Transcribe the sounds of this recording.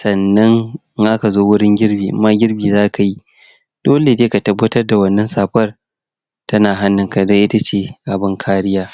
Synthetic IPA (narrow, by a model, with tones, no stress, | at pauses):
sɐ˨nːɐ˦ŋ | ʔaː˦ka˨zoː˦wʊ˦ɽɪ˦ŋɡʲɪ˦ɽbiː˨ʔmːa˦ɡʲɪ˦rbiː˨zaː˦˨ka˨ji˦ | d̥oː˦le˨deː˦ka˨tɐ˦bːɐ˦tɐ˦rda˨wɐ˦nːɐ˦nsaː˨ɸɐ˦r | tɐ˦naː˨ɦa˦nːɪ˨ŋka˨dɐ˦ʔɪ˦ta˦t͡ʃeː˦ʔa˨bɪ˦ŋkʰaː˦ɽɪ˦jaː˦